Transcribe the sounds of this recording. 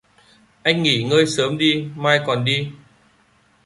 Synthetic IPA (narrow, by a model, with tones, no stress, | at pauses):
ʔa˧jŋ̟ːŋi˧˩ŋəː˧jsəː˨˦mɗi˧maː˧jkɔ˨˩nɗi˧